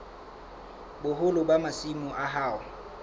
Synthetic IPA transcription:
bʊɦʊlʊbamasimʊʔaɦaːʊ

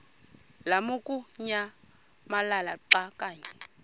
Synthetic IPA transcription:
lamukʼuɲa | malalaǃakʼaːɲɛ

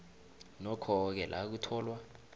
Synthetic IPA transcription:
nɔkʰɔk̬ɛlʔa̰k̬utʰɔːlwa

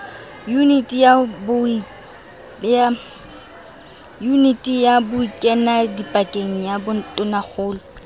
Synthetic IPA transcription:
junitʼijabʊ | ja | junitʼijabʊikʼɛnadipʼakʼeŋ̩jabʊn̩tʼʊnak͡xʰʊːlɔ

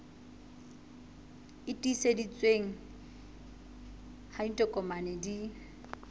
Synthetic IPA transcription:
ɪtʼisedit͡sʼweŋ̩ | haitʼɔkʼɔmanedi

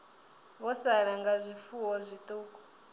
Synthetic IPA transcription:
βɔsaɺaŋɡazʷifuwɔzʷit̪ʼuːkʼɔ̥

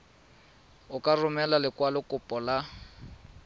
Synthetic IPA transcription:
ʊkʼarʊmɛlalɪkwalʊkʼʊpʼɔla

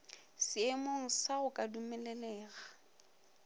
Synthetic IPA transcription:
sɪɛmoŋ̩saɣʊkʼadumɛlɛlɛːɣa

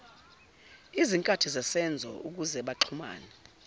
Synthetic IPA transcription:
iziŋkʼatʰizasɛnd͡zʱɔ̰uk̬uzɛɓaǃʰuma̰ːnɛ

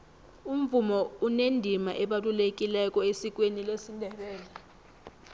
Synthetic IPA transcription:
um̩vumɔunendʱimaʔɛɓatʼulekʼilɛkʼɔesik̬ʼwenilesindʱɛɓɛːlɛ

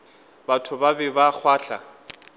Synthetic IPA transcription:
batʰʊbabɪbak͡xʰwaːɬa̰

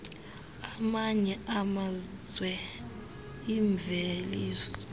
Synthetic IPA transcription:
amaɲɛamazwɛ | iɱb̪veliːsɔ̥

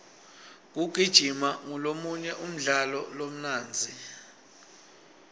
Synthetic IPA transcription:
k̬uɡ̥ʱid̥ʒ̥ʱimaŋɔlomuɲɛʔum̩ɮalɔlom̩naːnd͡zʱi

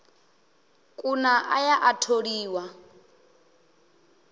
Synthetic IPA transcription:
kʼunaʔa̰jaʔatʰoɺiːwa

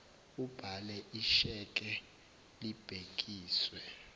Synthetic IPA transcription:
ub̥ʱalɛʔiʃɛkʼɛ | lib̥ʱek̬ʼiːswɛ

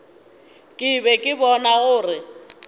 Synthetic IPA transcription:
kʼɪbɛkʼɪbɔnaɣʊːrɪ

